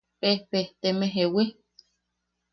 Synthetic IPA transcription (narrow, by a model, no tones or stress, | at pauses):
pehpeht̪emeɦewi